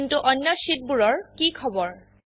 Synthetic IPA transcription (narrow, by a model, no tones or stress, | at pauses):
ntuʔɔnːɔʃit̚buɹɔɹkikʰɔbɔɹ